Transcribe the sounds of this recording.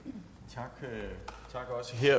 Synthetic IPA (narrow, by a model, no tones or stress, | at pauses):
t͡sʰɑ̈ɡ̥t͡sʰɑ̈ɡ̥ɒ̽səɦeɐ̰